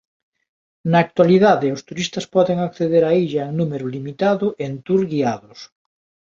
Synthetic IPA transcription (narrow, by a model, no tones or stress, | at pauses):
naːk̚t̪waliðaðeʊst̪uɾist̪ɐspɔðeŋakθeðeɾaiʎaeŋnumeɾʊlimit̪aðʊʔent̪uɾɣiaðʊs